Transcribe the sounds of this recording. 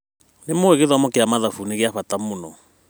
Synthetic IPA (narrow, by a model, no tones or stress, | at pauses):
nemoeɣeðamɔkeamaðafuneɣeaɸatamonɔ